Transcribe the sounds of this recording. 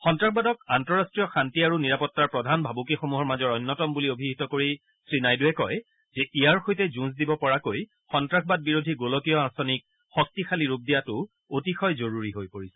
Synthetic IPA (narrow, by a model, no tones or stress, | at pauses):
xɔntɹakbadɔkantɔɹastɹijɔxʰantiaɹuniɹapɔtːaɹpɹɔdʱanbʱabukixomuɦɔɹmazɔɹɔjnːɔtɔmbuliobʱiɦitɔkoɹi | sɹinajduɛkɔj | zɛʔijaɹxojtɛzũs̬dibɔpɔɹakoj | xɔntɹakʰbad̚biɹodʱiɡolɔkijɔasɔnik̚ | xɔk̚tixʰaliɹup̚dijatʊ | otixɔjzoɹuɹiɦojpoɹisɛ̥